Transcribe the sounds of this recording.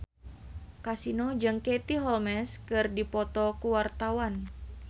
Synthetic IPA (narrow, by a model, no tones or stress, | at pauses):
kasinod͡ʒəŋket̪iɦɔlmɛskɨrdipɔt̪ɔkuwart̪awan